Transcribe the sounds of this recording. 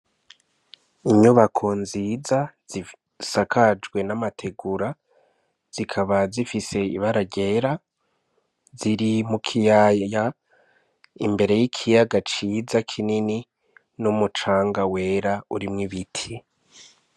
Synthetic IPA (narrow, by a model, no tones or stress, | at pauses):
iɲuβakʰo̞nziːzaz̥i | sakʰad͡ʒɡwe̞namatʰe̞ɡuɾa | z̥ikʰaβazifise̞ḭβaɾaɟe̞ɾa | ziɾimukʰijaja | imbe̞ɾe̞jikʰijaɡat͡ʃiːzakʰinini | numut͡ʃaːŋɡawe̞ɾauɾimŋiβitʰi